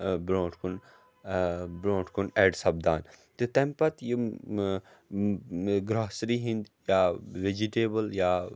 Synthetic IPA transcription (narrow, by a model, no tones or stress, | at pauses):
bɾõːʈʰkun | bɾõːʈʰkunɛːɖsɐbd̪a̰ːnt̪et̪ɛ̃mpɐt̪ji | ɡɾɔːsɾiːɦĩnd̪jaːʋed͡ʒiʈeːbəljaː